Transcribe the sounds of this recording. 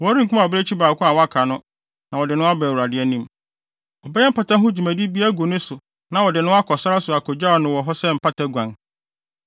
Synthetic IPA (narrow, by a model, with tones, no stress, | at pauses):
wɔ˨˦ɾi˦ŋ̩˨kʰu˦mã˨ɔ˨bɪ˦ɾe˦t͡ɕʰi˦baː˨kʰʊ˦a˨wɔ˦a˦kʰa˨nʊ̃˦ | nã˨wɔ˨dɪ˨nʊ̃˦a˦bɛ˨wu˨ɾa˨dɪ˨˦ɛ˦nĩ˦m | ɔ˨bɛ˦ɛ˦m̩˦pʰa˨ta˦ɦʊ̃˦d͡ʑi˨mæ̃˨di˦bi˦æ˦ɡo˨nʊ̃˦sʊ˨ | nã˨wɔ˨dɪ˨nʊ̃˦a˦kʰɔ˨sa˦ɾa˦sʊ˨a˨kʰɔ˨d͡ʑa˦ɔ˨nʊ̃˨wɔ˨ɦɔ˦sɛ˦m̩˨pʰa˦tʰa˦ɡʷã˨ŋ